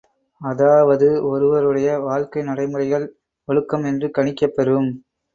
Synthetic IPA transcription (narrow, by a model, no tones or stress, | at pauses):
ɐðaːʋɐðɯɔɾɯʋɐɾɯɽɐjɐʋaːɻkɐɪnɐɽɐɪmɯrɐɪɣɐɭ | ʋɔɭɯkːɐmɛndrɯkɐɳɪkːɐpːɐɾɯm